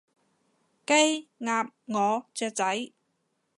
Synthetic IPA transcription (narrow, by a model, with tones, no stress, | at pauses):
ke˥jŋaː˧p̚ŋɔː˨˧t͡sɛː˧t͡sɐ˨˥j